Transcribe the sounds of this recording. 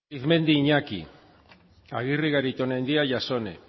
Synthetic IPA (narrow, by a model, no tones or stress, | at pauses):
iθme̞nd̪iːɲakḭ | aɣiriɣaɾit̪onend̪iaʝaso̞ne